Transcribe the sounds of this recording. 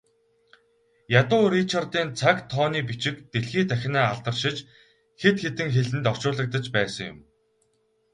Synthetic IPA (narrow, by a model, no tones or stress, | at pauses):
jat̪ʊːɾit͡ɕʰɔrt̪iːnt͡sʰakt̪ʰɔːniːpit͡ɕɪ̆kt̪eɮxiːt̪ʰæxʲɪ̆næːaɮt̪ə̆rʃɪ̆t͡ɕ | xet̪xet̪ɘ̆ŋxeɮɘ̆nt̪ɔw̥ʃʊːɮə̆k̚t̪ə̆t͡ɕpæːsə̆ŋjʊ̰m